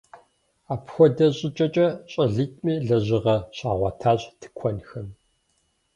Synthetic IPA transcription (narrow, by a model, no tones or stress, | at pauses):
aːpxʷɔdɐɕʼɪt͡ʃʼɐt͡ʃʼɐɕʼɐɮɨtʼmiːɮɐʑɪʁɐɕaːʁʷɑtʰaːɕtʰɨ̥kʷʰɔnxɐm